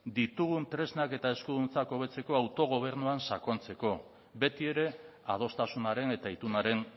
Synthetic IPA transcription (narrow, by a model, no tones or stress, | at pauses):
d̪it̪uɣ̞unt̪ɾe̞znake̞t̪ae̞skuðunt͡sako̞β̞e̞t͡se̞ko̞awt̪o̞ɣ̞o̞β̞e̞ɾnuansako̞nt͡se̞ko̞ | be̞t̪ie̞ɾe̞ | að̞o̞st̪asunaɾe̞ne̞t̪ait̪unaɾe̞n